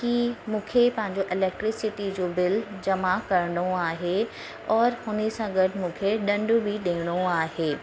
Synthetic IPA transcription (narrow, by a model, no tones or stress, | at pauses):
kimũːkʰepɐ̃ɦɪ̃ɲd͡ʑoʔɪlɛːk̚ʈɾɪksɪʈid͡ʑoːbɪld͡ʑɐmakɐɾəɽoaːɦe | ɔːɾhʊnəsãɡɐʈmũːkʰeɗɐ̃ɳɖʊ̆bʱiɗẽːɽ̃oaːɦeː